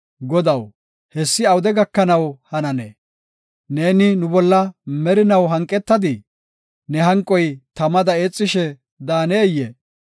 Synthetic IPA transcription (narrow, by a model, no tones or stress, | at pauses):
ɡɔd̪ɐw | hɛsːɪɐwʊd̪ɛɡɐkːɐnɐwhɐnɐnḛ | ne̞ːnɪnʊbɔlːɐmɛɾɪnɐwɦɐŋkʼːɛt̪ːɐd̪ɪ | nɛɦɐŋkʼːɔjt̪ɐmɐd̪ɐeːt͡sʼːɪʃɛ | d̪aːneːjːɛ